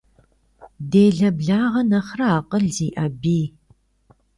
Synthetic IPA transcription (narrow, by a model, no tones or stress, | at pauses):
deːɮɐbɮaːʁɐnɐχrɐaːqʼəɮziːʔɐbiː